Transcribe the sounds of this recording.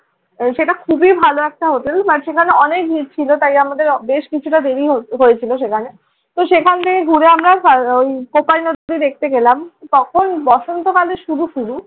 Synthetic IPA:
ʃeʈakʰubibʱaloɛk̚ʈaɦot̪elbaʈʃekʰaneɔnek̚d̪iɾt͡ɕʰilot̪ajamad̪eɾbeʃkit͡ɕʰuʈad̪eɾiɦoɦojet͡ɕʰiloʃ̬ekʰane | t̪oʃekʰant̪ʰekeɡʱuɾeamɾaojkopalnod̪od̪id̪ek̚ʰt̪eɡelamt̪ɔkʰonbɔʃont̪okaleʃuɾuʃuɾu

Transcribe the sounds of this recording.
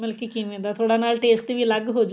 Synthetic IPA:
melkikinend̪at̪ʰoːɽanaːlʈeːsʈ̪iʋiːlɐɡɦoːd͡ʒu

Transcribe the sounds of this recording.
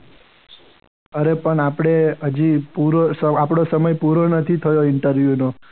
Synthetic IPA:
əɾepəɳapɽ̃eɦəd͡ʒipuɾosəapɽ̃osəməjpuɾonət̪ʰit̪ʰəjoɪɳʈəɾʋjuno

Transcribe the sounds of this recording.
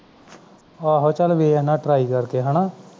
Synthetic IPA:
aːɦot͡ʃəlʋeːnãːʈɾaːiːkəɾkeɦənaː

